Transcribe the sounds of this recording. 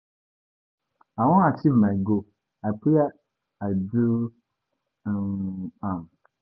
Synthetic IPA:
awɔ̃atʰivmãɡo | apʰuɛ | adu | ãm

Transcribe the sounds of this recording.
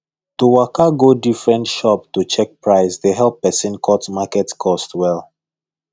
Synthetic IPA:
tuwakaɡodifɹɛ̃ntʃɔptut͡ʃɛk̚pɹaɪsdeɦɛlˠpːɛsĩnkʰɔtmakɛtkʰɔstwɛlˠ

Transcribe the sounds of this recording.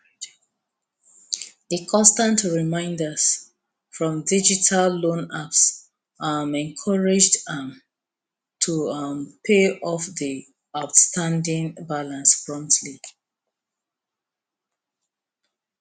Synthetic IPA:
ðəkʰɔ̃nstãntɹimãɪ̃ndəs | fɹɔ̃mdid͡ʒitʰalːõnaps | amɛ̃nkʰɔɹɪd͡ʒdam | tʰumpʰeɔfði | aʊtstʰãndĩŋbalãnspʰɹɔ̃mtʰli

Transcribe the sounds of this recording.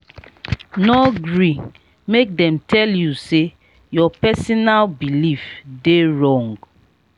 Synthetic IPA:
nɔɡɹi | mek̚dɛmtʰɛljuse | jɔpɛsɔnalbilifdeɹɔ̃ŋɡ

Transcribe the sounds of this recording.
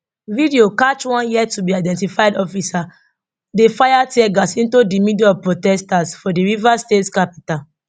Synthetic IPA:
vidiokat͡ʃwãnjiɛtubiaɪdɛ̃ntifaɪdɔfisa | defajatɛɡasĩntudimidiɔpɹotɛstasfɔdiɹivastetskapital

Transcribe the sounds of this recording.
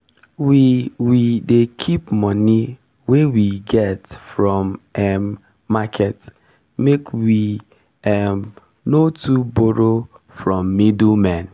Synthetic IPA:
wiwidekʰipmɔni | wewiɡɛtfɾɔmɛ | makʰɛt | mekwi | ɛm | notuboɾo | fɹɔmːidlmɛ̃n

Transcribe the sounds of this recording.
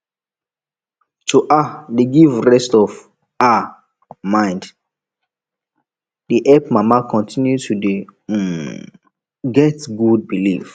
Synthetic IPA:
tʰuʔadeɡivɹɛstɔv | a | mãɪ̃nd | diʔɛpmamakʰɔ̃ntʰĩnjutude | ɡɛtɡud̚bilḭf

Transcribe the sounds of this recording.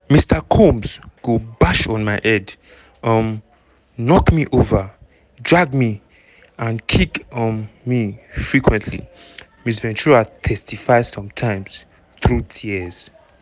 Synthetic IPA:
mistʰakʰõmzɡ̥obaʃɔ̃n̩maɪʔɛd | ʌm | nɔkmiʔovə | dɹaɡmi | ãnkʰiknmifɹikʰwɛ̃ntʰlḭ | mis̬vɛ̃nt͡ʃuɹatʰɛstʰifaɪsɔ̃mtʰãɪ̃mz̥ | θɹutʰiəz̥

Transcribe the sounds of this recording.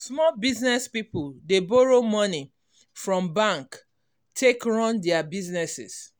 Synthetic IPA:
smɔlbiznɛspipuldebɔɹomɔni | fɹɔ̃mbãŋk | tʰekɹɔ̃ndɛabiznɛsɪ̰s

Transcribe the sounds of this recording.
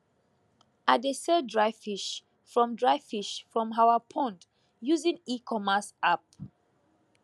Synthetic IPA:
adesɛdɹaɪfiʃ | fɹɔ̃mdɹaɪfiʃfɹɔ̃mɦawapʰɔ̃nt | juzĩŋikʰɔmasap̚

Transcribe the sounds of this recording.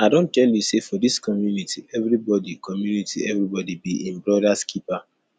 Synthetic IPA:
aɪdõntɛljusefɔdiskɔmjunitʰiɛvɾibɔdikʰɔmjunitʰḭɛvɾibɔdibiʔĩmbɹɾɔdaskʰipa

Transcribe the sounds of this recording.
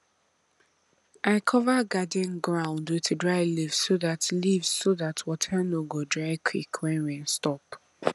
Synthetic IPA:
ʔaɪkʰɔvaɡadɛ̃nɡɹãʊ̃ndwɪtdɹaɪlivssoðatlivzsoðatʰwɔtʰanoɡodɹaɪkʰwikʰwɛ̃nɹɛ̃nstɔp

